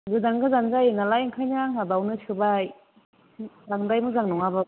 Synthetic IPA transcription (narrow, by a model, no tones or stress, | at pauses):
ɡɯdaŋɡɯzanzajɯnalajŋkʰajnaŋabawnɯskʰɯbaj | laŋdajmɯzaŋnɔŋaba